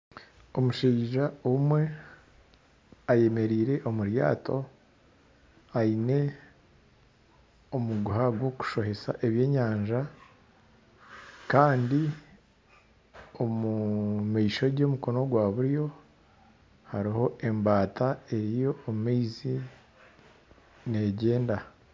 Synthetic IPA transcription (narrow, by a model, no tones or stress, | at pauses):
o̞muʃiːʒaomwe̞ | aje̞me̞ɾiːɾe̞ʔo̞muɾja̰ːtʰo̞ | aine̞ | omuɡuɦaɡwo̞ku̥ʃo̞he̞sa̰ʔe̞βje̞ːɲaːɲʒa | kaːndi | o̞mumiʃo̞ɟo̞ːmuko̞no̞ɡwaːβuɾjo̞ | haɾiho̞ʔe̞mbaːtae̞ɾijo̞ːmumiizi | ne̞ɟe̞ːnda